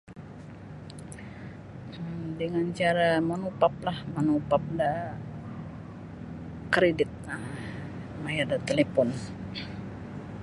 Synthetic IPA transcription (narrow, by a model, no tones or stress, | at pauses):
dəŋant͡ʃaɾamanupap̚lahmanupap̚da | kɾedɪt̪̚a | majadat̪elepɔn